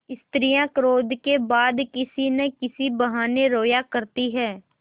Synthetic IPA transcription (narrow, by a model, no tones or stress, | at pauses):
ɪst̪ɾijãkɾoːd̪ʱkebaːd̪kɪsinekɪsibɐɦaːneɾoːjakəɾt̪iɦɛː